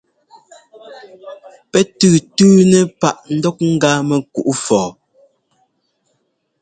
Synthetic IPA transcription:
pɛ˦tʉː˦˨tʉː˦nɛ˦pa˦˨ʔn̩˦dɔ˦k̚ŋ̩˦ɡa˦mɛ˨ku˨ʔu˦fɔː˨

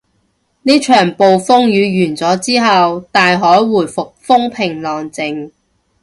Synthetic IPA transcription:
niː˥t͡ʃʰœː˨˩ŋpo˨wfʊ˥ŋjyː˨˧ɥyː˨˩nt͡sɔː˨˥t͡siː˥ɦɐ˨wt̪aː˨jɦɔː˨˥jwuː˨˩jfʊ˨k̚fʊ˥ŋpʰɪ˨˩ŋlɔː˨ŋt͡sɪ˨ŋ

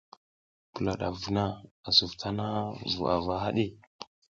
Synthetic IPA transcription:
pə˨la˨ɗa̰˨vu˨na˦a˨su˨vtʰa˦na˦vṵ˨a̰˨va˦ɦa̰˦ɗi˦

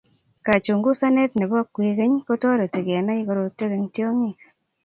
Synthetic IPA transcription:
ka˨t͡ʃu˨ŋɡu˦sa˦ne˦tne˨bɔ˦a˦kwe˨ke˦ɲko˦to˦ɾe˨te˨ɡe˨a˨na˦i˦ko˦ɾo˨˧te˦ke˧ŋtjo˦ŋi˦˨

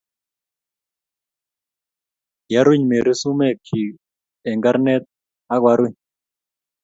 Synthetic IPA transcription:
ja˦ɾwi˦ɲme˨ɾi˦su˦mɛ˦˨kʰi˨ | ɛ˨ŋɡa˦ɾnɛ˦t̪̚ | a˦ɣwa˦ɾwi˦ɲ

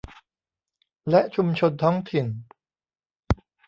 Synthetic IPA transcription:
lɛ˦˥ʔt͡ɕʰu˧mt͡ɕʰo˧nt̪ʰɔː˦˥ŋt̪ʰi˨˩n

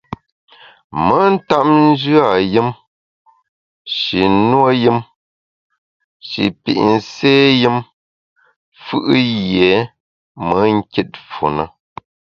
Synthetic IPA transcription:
mə˨˦n̩˦ta˦p̚n̩˦d͡ʒʉ˦a˦˨jɨ˦m | ʃi˨nwo˦jɨ˦m | ʃḭ˨pḭ˨ʔn̩˨seː˦jɨ˦m | fʉ˦ʔɨ˦jɛ˨˦ | mə˨˦ŋ˦ki˦t̚fṵ˨nə˦

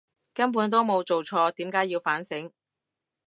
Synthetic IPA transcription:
kɐ˥np̬uː˨˥nt̪̬o˥wmo˨˧wt͡so˨wt͡ʃʰɔː˧t̪iː˨˥mkaː˨˥ji˧wfaː˨˥nsɪ˨˥ŋ

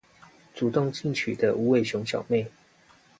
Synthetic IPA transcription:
t͡su˨˩t̪ʊ˥˨ŋt͡ɕi˥˨ŋt͡ɕʰy˨˩d̪ə˦ʔu˧˥we˥˨ɪɕjʊ˧˥ŋɕjɑ̰˨˩ʊme˥˨ɪ

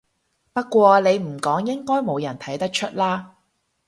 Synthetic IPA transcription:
pɐ˥tkʷːwɔː˧le˨˧jm̩˨˩kɔː˨˥ŋjɪ˥ŋkɔː˥jmo˨˧wjɐ˨˩nt̪ʰɐ˨˥jt̪ɐ˥k̚t͡ʃʰɵ˥t̚laː˥

